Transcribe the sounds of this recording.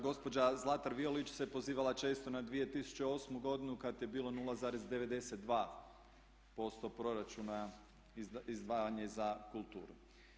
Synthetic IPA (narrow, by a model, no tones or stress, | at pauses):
ɡo̞spo̞d͡ʑazlˠat̪aɾʋiolit͡ʃse̞po̞ziːʋalat͡ʃe̞ːst̪o̞nad̪ʋije̞t̪isu̥t͡ʃeo̞smuɡo̞d̪inukat̪je̞biːlˠo̞nuːlazaːɾezd̪e̞ʋe̞d̪e̞set̪̚d̪ʋaː | po̞st̪o̞pɾo̞ɾat͡ʃuna | izd̪ʋaːjaɲezakulˠt̪ṵːɾu